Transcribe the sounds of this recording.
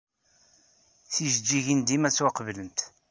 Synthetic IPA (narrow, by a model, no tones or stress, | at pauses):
θiʒəd͡ʒːiʝind̪imæt͡sːwaqvlənt̪